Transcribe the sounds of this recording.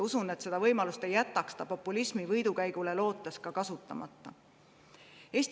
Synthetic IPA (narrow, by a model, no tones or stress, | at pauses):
usune̞t̪se̞d̪̥ɑvɤjmɑlust̪e̞jːæt̪ːˑɑkst̪ɑpo̞pːˑulismivɤjd̪ukæjɡ̥ule̞lo̞ːt̪ˑːeskɑkɑsut̪ˑːɑ̰mɑ̰t̪ːˑɑ | e̞ːst̪